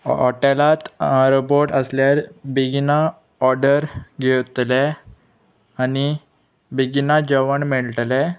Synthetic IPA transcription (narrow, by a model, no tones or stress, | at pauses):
ɔ̰ʈelat̪aɾboʈəsljaɾbiɡina | ɔɾɖəɾɡʱewt̪lɛ | ani | biɡnad͡ʑəʋəɳmiɭʈlɛ